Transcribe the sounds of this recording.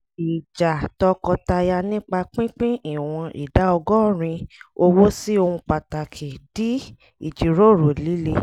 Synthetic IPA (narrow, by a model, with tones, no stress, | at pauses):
i˨d͡ʒa˨tɔ˧kɔ˧ta˧ja˧nĩ˦k͡pa˧k͡pĩ˦k͡pĩ˦i˦˨w̃ɔ̃˧ḭ˨da˨˦ɔ˧ɡɔ˦˨ɾ̃ĩ˧o˧wo˦si˦o˧hũ˧k͡pa˨ta˨kʰi˨di˨˦ | ḭ˨d͡ʒi˨ɾo˦˨ɾo˨li˨˦le˧